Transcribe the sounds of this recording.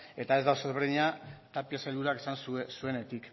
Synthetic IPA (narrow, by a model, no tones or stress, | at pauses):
e̞t̪ae̞zd̪awsezβe̞ɾðiɲat̪apiasajld̪uɾakesansusue̞ne̞t̪ik